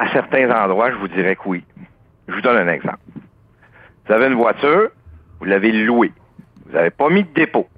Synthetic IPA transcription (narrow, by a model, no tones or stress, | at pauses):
asɛʁt̪ɛ̃zɑ̃d̪ʁwaʒəvud͡ziʁɛkwi | ʒəvud̪ɔnɛ̃ːnɛɡzɑ̰̃ːp | vuzaveɨnvwat͡syːʁvulːavelue | vuza̰vepʌmid̪̚əd̪epo